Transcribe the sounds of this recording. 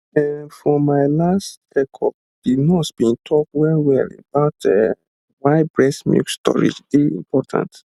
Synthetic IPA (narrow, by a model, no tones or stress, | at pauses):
ɛfɔmaɪlast | ɛkʰɔ | dinɔsb̥ĩntʰɔk̚wɛɹiwɛlḛbaʊtɛ | waɪbɹɛsmṵkstɔ̰ɹḭd͡ʒdeḭ̃mpʰɔtʰã̰nt